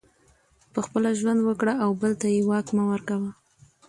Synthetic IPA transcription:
pəxpəlaʒwand̪wəkɽaʔawbəlt̪ajewɑkmawəɾkawə

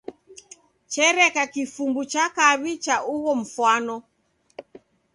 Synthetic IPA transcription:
t͡ʃɛɾɛkakifumbut͡ʃakaβit͡ʃaʔuɣɔm̩fwanɔ

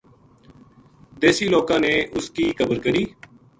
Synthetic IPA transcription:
d̪eːsiːloːkãːneːʔʊskiːkʰəbəɾkəɾiː

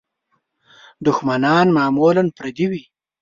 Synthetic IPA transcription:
d̪ʊxmanɑːnmɑːmoːlanpɾad̪iwi

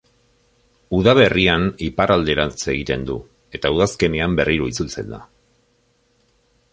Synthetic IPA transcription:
uð̞aβe̞rianipaɾʔald̪e̞ɾat͡se̞ɣ̞it̪e̞nd̪u | e̞t̪auð̞aske̞neambe̞rʔiɾoit͡sult͡se̞̰nd̪a̰

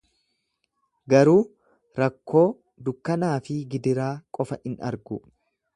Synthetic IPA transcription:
ɡɐɾuː | ɾɐkːo̞ː | d̪ʊkːɐnaːfɪɡɪd̪ɪɾaːkʼɔfɐʔɪnɐ̰ɾɡʊ

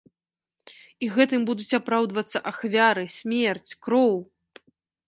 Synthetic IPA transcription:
iɣɛt̪ɨmbud̪ut͡sʲapɾawd̪vɐt̪sːɐʔaxvʲaɾɨsʲmʲɛrt͡sʲkɾɔw

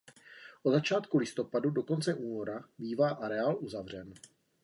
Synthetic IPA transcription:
ʔozat͡ʃaːt̪kulɪst̪o̞padudo̞ko̞nt͡sɛʔuːno̞ɾabiːvaːʔaɾɛaːlʔuzavr̝ɛn

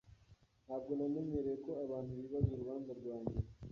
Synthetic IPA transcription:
nhaːbɡonamemeɾejeko̞aβaːntuβiβazuɾuβaːnzaɾɡwaːɲɡe

